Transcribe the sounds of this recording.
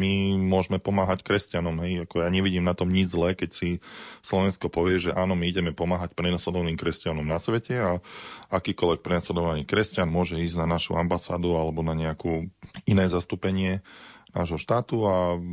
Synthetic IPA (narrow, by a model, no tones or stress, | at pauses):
mimʊɔʒmɛpɔmaːɦackɾɛscanɔmɦɛjakɔjaːɲɛʋiɟiːmnat̪ɔmɲid͡ʒzlɛːkɛcsislɔʋɛnskɔpɔʋɪɛʒɛʔaːnɔmiiɟɛmɛpɔmaːɦacpɾɛnaslɛd̪ɔʋaniːmkɾɛscanɔmnasʋɛcɛaakiːkɔlʋɛk̚pɾɛnaslɛd̪ɔʋaniːkɾɛscanmʊɔʒɛiːzɟnanaʃṵambasaːd̪ualɛbɔnaɲɛakuːinɛːzast̪uːpɛɲɪɛna̰ːʒɦɔʃt̪aːt̪ua